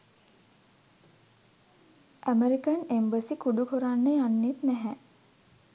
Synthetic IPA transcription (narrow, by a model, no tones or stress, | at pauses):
ʔæmeɾikanembəsikuɖukuɾanːəjanːet̪næɦæ